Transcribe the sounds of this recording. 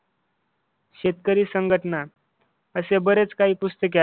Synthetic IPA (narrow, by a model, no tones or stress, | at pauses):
ɕet̪kəɾiːsəŋɡʱəʈəna | əsebəɾet͡skaɦiːpust̪ək̬a